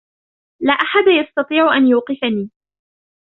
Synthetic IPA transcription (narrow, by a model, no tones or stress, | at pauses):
laːʔaħad̪ajɑst̪ɑt̪ˤiːʕʊʔanjuːqɨfaniː